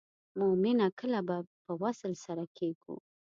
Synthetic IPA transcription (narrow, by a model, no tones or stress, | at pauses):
mʊmɪnakəlabapəwasəlsaɾakʰeɡṵ